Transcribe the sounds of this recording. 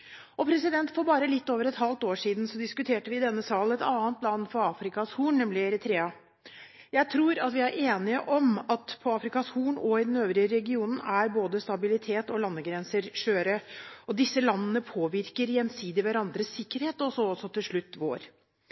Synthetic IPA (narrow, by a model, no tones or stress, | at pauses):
ɔpʰɾɛsɪd̪ɛnt̪fɔɾbɑːɾəlɪt̪ːoːʋəɾɛt̪hɑlt̪oːʂiːd̪n̩sɔd̪ɪskʉt̪ʰeːʈəʋɪɪd̪ɛnːəsɑːln̩ɛt̪ɑːnt̪lɑnːfɔɾɑːfɾɪkɑshuːɳnɛmlɪɛɾɛt̪ʰɾeːɑ | jæɪt̪ʰɾuːɾɑt̪ʋɪæɾʔeːnɪəʔɔmɑt̪pʰɔɑːfɾɪkɑshuːɳɔɪd̪nøːʋɾɪəɾɛɡɪuːnn̩æɾboːd̪əst̪ɑbɪlɪt̪ʰeːt̪ɔlɑnːəɡɾɛnsəɾʂøːɾəɔd̪ɪsːəlɑnːənəpʰoːʋɪɾkəɾjɛnsiːd̪ɪʋæɾɑnd̪ɾəsːɪkːəɾheːt̪ɔsɔɔsɔt̪ʰɪlʂɭʉt̪ːʋo̰ːɾ